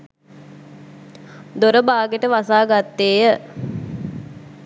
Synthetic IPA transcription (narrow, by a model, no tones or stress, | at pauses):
d̪oɾəbaːɡeʈəʋasaːɡat̪ːeːjə